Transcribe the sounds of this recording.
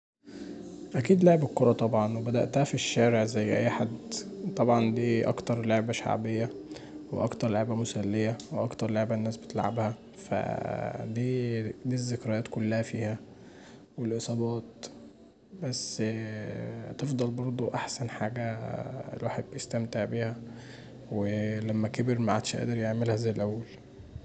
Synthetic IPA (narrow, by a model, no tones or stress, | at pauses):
ʔækiːd̪leʕebekːoɾˤɑt̪ˤɑbʕɑnwebæd̪æ̰ʔt̪æhæfiʃːæːɾeʕzæjːʔæ̰jːħad̪t̪ˤɑbʕɑnd̪iːʔɑ̰kt̪ɑɾˤleʕbæʃa̰ʕbejːæ | wḛʔɑkt̪ɑɾˤleʕbæmosælːejæweʔɑkt̪ɑɾˤleʕbænːæːsbet̪lʕabhæ | fæ̰d̪iːd̪iːzːekɾæjɑːt̪kolːæhæfiːhæ | welʔesˤɑːbɑːt̪̚ | bæsː | t̪efd̪ˤɑlbɑɾˤd̪ˤoʔaħsænħaːɡæḛlwaːħed̪̚bejest̪æmt̪eʕbiːhæ | welæmːækebeɾmaʕa̰d̪̥ʃʔæ̰ːd̪eɾjeʕmelhæzæjlʔæwːæl